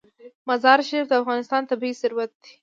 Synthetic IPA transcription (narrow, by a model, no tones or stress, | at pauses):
mazɑɾʃaɾifd̪əafɣɑnɪst̪ɑnt̪abhisɪɾwat̪̚d̪i̥